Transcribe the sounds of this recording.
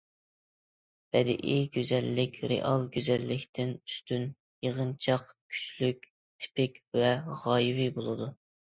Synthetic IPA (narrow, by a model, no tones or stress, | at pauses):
b̥ɛd̪ɪ̰ʔiɡʲøzɛlːɪkʲɾḛʔɑlˠɡʲøzɛlːɪkʲt̪ʰɪnyst̪yn | jəʁənt͡ʃʰɑqkʲʰy̥ʃlykʲ | t̪ʰɪ̥pɪkʲvɛʁɑːjivibolˠɨd̪u